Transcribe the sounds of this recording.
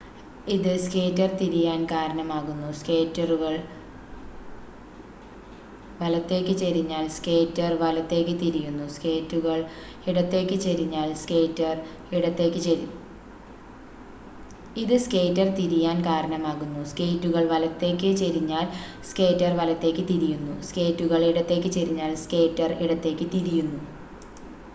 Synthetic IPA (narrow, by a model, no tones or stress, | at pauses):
iðɨskeːtːɐrt̪iɾijaːnkaːɾɐɳɐmaːɣunːuske̞ːtːɐruɣɐɭ | ʋɐlɐt̪ːe̞ːkːɨt͡ɕeɾiɲːaːlske̞ːtːɐrʋɐlɐt̪ːe̞ːk̬ːɨt̪iɾijunːuske̞ːtːuɣɐɭ | iɽɐt̪ːe̞ːkːɨt͡ɕeɾiɲːaːlskeːtːɐr | iɽɐt̪ːe̞ːkʲːɨt͡ɕ | iðɨske̞ːtːɐrt̪iɾijaːnkaːɾɐɳɐmaːɣunːuske̞ːtːuɣɐɭʋɐlɐt̪ːe̞ːkːɨt͡ɕeɾiɲːaːlske̞ːtːɐrʋɐlɐt̪ːe̞ːkːɨt̪iɾijunːuske̞ːtːuɣɐɭiɽɐt̪ːe̞ːk̬ʲːɨt͡ɕeɾiɲːaːlske̞ːtːɐriɽɐt̪ːe̞ːkʲːɨt̪iɾijunːu